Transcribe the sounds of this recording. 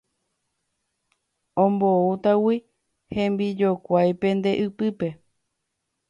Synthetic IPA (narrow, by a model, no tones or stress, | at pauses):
õmbout̪awi | hẽ̞mbid͡ʒo̞kʷajpẽ̞nd̪e̞ʔɨpɨpe̞